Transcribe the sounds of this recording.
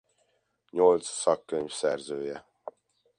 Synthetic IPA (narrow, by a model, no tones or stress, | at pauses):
ɲolt̪sːɒkːøɲvsɛrzøːjɛ